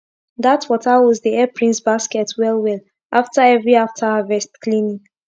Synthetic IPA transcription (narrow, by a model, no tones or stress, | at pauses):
datfɔtawɔzdiɛpʰɹĩnsbaskɛtwɛlwɛl | ʔaftaɛvɹiaftʰahavɛstklĩnĩ